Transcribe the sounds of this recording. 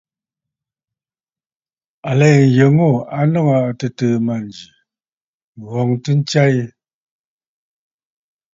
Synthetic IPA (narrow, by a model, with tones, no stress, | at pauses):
a˨le˨jə˨ŋo˦˨a˦nɔ˦˨ŋa˨tə˨tə˨ma˨nd͡ʒi˨ | ɣɔ˨ŋtə˦n˦t͡ʃa˦ji˦